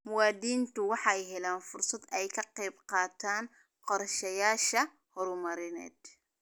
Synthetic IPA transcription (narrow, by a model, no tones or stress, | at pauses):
mʊwaːd̪iːnt̪ʊwɑħɑjɦɛlaːnfʊrsɐd̪ɛjkʰɐqɛjbqɑːt̪ʰaːn | qɔrʃɐjaːʃɐ | hɔɾʊmɐɾɪnɛ̰ːd̪